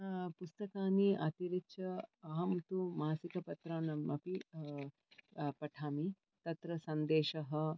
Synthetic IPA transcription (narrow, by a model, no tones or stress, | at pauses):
pust̪ɐkaːniʔɐt̪iɾitt͡ʃʰɐɐɦɐmt̪umaːsikɐpɐt̪ɾaːnɐmʔɐpi | pɐʈʰaːmi | t̪ɐt̪ɾɐsɐnd̪eːʃɐɦɐ̆